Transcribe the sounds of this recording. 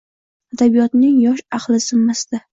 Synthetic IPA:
ad̪abijɒt̪nɪŋjɒʃɑqlˠɪsɪmːasd̪a

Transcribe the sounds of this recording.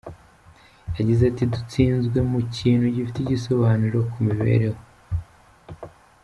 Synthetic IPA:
jaɟizatidut͡siːnzɡwe̞muciːnhuɟifitiɟiso̞βaːnuɾo̞kumiβe̞̰ɾe̞ho

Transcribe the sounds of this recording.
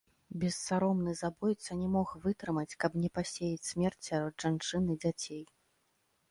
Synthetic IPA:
bʲɛsːaɾɔmnɨzabɔjt̪sɐnʲɛmɔxvɨt̪ɾɨmɐt͡sʲkɐbnʲɛpasʲejit͡sʲsʲmʲɛrt͡sʲsʲaɾɔd̪ʐ̥ant͡ʂɨnɨd͡zʲat͡sʲej

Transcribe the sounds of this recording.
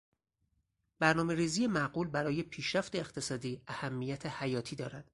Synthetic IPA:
b̥æɾnɒːme̞ɾiːziːjemæɡuːlbæɾɒːje̞pʰiːʃɾæft̪e̞ːqt̪ʰe̞sɒːd̪iːæhæmːijæt̪ʰe̞hæjɒːt̪ʰiːd̪ɒːɾæd̪̥

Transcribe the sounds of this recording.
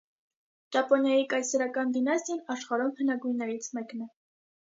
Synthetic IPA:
d͡ʒɑpɔnjɑjikɑjsɛɾɑkɑnd̪inɑst̪jɑnɑʃχɑɾɔmhənɑɡujnːɛɾit͡sʰmɛknɛ

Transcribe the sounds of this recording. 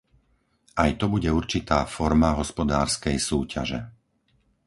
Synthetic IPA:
ajt̪ɔbuɟɛuɾt͡ʃit̪aːfɔɾmaɦɔspɔd̪aːɾskɛjsuːcʰa̰ʒɛ̰

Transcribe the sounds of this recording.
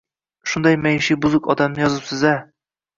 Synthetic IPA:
ʃund̪ɒjmæjʃibuzʊkɒd̪amnɨjɒzɨpsɪzæ

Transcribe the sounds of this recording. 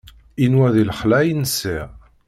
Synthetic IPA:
inwæðilχlæjnəsi

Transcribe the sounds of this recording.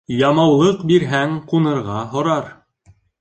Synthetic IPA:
jɑmɑwlˠɤqbiɾɦæŋqunɤ̆ɾʁɑɦŏɾɑɾ

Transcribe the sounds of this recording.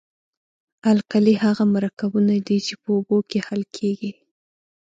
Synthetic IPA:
alqalihaɣamaɾakawunad̪it͡ʃepəobokehalkʰeɡi

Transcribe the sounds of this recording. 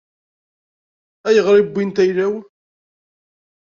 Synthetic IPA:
æjəʁɾibːint̪æjɾæw

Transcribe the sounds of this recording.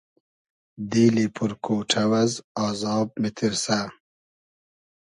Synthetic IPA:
d̪iːlipʰuɾkoːʈʰɐwɐzɑːzɑːb̚mɪt̪ʰiɾsa

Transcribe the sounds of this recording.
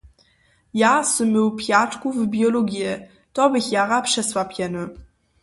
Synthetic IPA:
jasɨmːɘwpjatkuvbjɔlɔɡʲjɛ | t̪ɔbɘxjaʁapʂɛsvwapʲjɛnɘ

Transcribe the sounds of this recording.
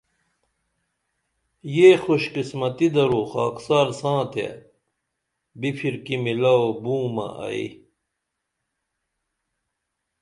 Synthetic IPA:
jeːxoɕqismɐt̪id̪ɐɾuːxaːksaːɾsãːt̪ʰḛ | bipʰiɾkimilaobũːmɐ̰ʔɐ̰ḭ

